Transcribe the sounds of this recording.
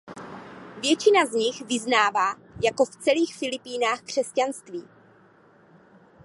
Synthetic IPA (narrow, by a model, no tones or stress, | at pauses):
vjɛt͡ʃɪnazɲɪxvɪznaːvaː | jako̞ft͡sɛliːxfɪlɪpiːnaːxkr̝̥ɛscanst̪viː